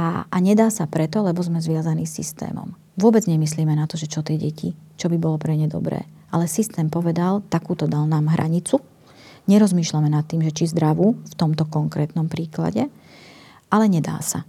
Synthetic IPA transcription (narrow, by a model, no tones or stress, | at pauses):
aaɲɛd̪aːsapɾɛt̪ɔlɛbɔzmɛzʋɪazaniːsḭst̪ɛ̰ːmɔ̰m | ʋʊɔbɛd͡zɲɛmisliːmɛnat̪ɔʒɛt͡ʃɔt̪ɪɛɟɛcʰḭt͡ʃɔbibɔlɔpɾɛɲɛd̪ɔ̰bɾɛ̰ːʔalɛsist̪ɛːmpɔʋɛd̪alt̪akuːt̪ɔd̪alnaːmɦɾʔa̰ɲit͡su | ɲɛɾɔzmiːʃlamɛnat̪ːiːmʒɛt͡ʃizd̪ɾaʋuːft̪ɔmt̪ɔkɔŋkɾɛːt̪nɔmpɾiːkla̰ɟɛ | ʔalɛɲɛd̪a̰ːsa̰